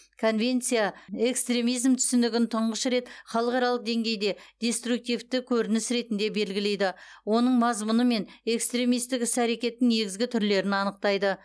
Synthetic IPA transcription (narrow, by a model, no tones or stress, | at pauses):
kʰo̞nve̞nt̪sijae̞kst̪ɾe̞mijzmt̪ʰʏ̥sɪnd̪ɪɡʲɪnt̪ʰʊɴʁəʃɾe̞t̪χɑlˠəqɑɾɑlˠəq̚d̪e̞ŋɡʲe̞jd̪e̞d̪̥ʲe̞st̪ɾuk̚t̪ijvt̪ɪkʲʰɵɾɪnɪsɾe̞t̪ɪnd̪e̞be̞lɡʲɪle̞jd̪ɪwo̞nəɴmɑzmʊnəme̞ne̞kst̪ɾe̞mijst̪ɪkɪsæɾe̞kʲe̞t̪ːɪŋne̞ɡʲɪzɡʲɪt̪ʰʏɾle̞ɾɪnɑnəq̚t̪ɑjd̪ə